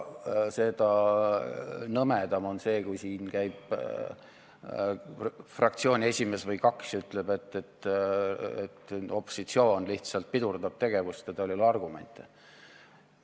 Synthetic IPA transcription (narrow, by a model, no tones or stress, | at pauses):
se̞d̪̥ɑ | nɤmed̪̥ɑmo̞nse̞ːkujsiːnkæjb̥ | frɑk̚t̪sio̞ːnʲie̞sʲime̞svɤjkɑksyt̪ˑle̞b̥e̞t̪ːe̞t̪ː | et̪ːo̞pːˑosit̪sio̞ːnliht̪sɑlt̪̚pid̪urd̪ɑb̥̚t̪e̞ɡ̥e̞vust̪ed̪olʲilɑrɡume̞̰nʲt̪ˑe